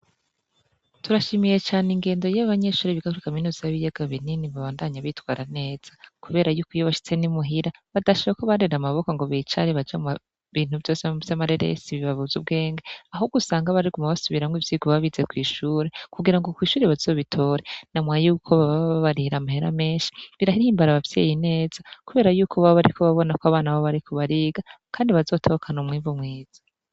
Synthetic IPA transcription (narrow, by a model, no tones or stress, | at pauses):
tuɾaʃiːmije̞t͡ʃaːneŋɡe̞ːndo̞jaβaɲe̞ʃuːɾiβiɡakuɾikaminuːziaβijeɡ̥aβininiβaβaːndaɲaβitkwaːɾane̞ːz̥akuβe̞ːɾajukijoβaʃi̥t͡se̞nimuɦiɾaβadaʃiβakoβaɾeɾamaβo̞koŋɡo̞βit͡ʃaɾiβad͡ʒaa | βiːn̥uvjo̞ːsevjamaɾeɾḛsiβiβaβuzub̚ɡe̞ːŋɡeaɦoɡusaːŋɡaβaɾikumaβasuβiɾaŋɡivjiːɡoβaβizekwiːʃuːɾe̞kuɡiɾaŋɡo̞kwiːʃuːɾeβaz̥o̞ːβitʰo̞ːɾenamwajuːkʰoβaβaββaɾiɾamaheɾa̰me̞ːnʃi̥βiɾahihiːmbaɾaβavjḛjine̞ːz̥akuβe̞ːɾajuːkʰoβaoβaɾikʰoβaβo̞nakwaβaːnaβoβaɾikʰoβaɾiːɡakʰaːndiβazo̞ːtʰo̞kʰanumŋiːvumŋiːz̥ḁ